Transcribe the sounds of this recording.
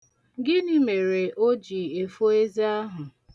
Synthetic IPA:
ɡɪ˦ni˦me˨ɾe˨ʔo˦d͡ʒi˨e˨fo˦e˦za˦a˦ɦʊ˨

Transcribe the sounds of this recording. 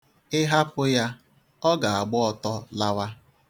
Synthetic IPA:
ɪ˦ɦa˦pʊ˦ja˦ | ɔ˦ɡa˨a˨ɡ͡bɔ˦ɔ˨tɔ˦la˦wa˦

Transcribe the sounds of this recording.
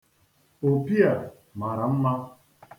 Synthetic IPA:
o˨pi˦a˨ | ma˨ɾa˨m̩˦ma˦

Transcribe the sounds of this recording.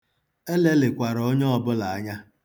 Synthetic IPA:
e˦le˦lɪ˨kʷa˨ɾo˦ɲɔ˦ɔ˦bʊ˦la˨a˦ɲa˦

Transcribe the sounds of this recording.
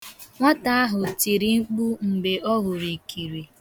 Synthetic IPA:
ŋʷa˦ta˦a˦ɦʊ˨ti˨ɾi˨ŋ͡m̩˦k͡pu˦ŋ͡m̩˨be˨ʔɔ˦ɦʊ˨ɾi˨ki˨ɾi˨

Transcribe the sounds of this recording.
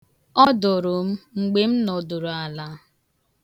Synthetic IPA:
ɔ˦do˨ɾʊ˨m̩˦ŋ͡m̩˨ɡ͡be˦m̩˦nɔ˨do˨ɾo˨a˨la˦

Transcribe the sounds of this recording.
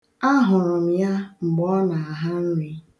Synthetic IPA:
a˦ɦʊ˨ɾʊ˨m̩˨ja˦ŋ͡m̩˨ɡ͡bɔ˦na˨a˨ɦa˦n̩˦ɾi˦

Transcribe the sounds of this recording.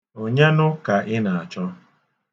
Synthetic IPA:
o˨ɲe˦nʊ˦ka˨ʔɪ˦na˨a˨t͡ʃɔ˦

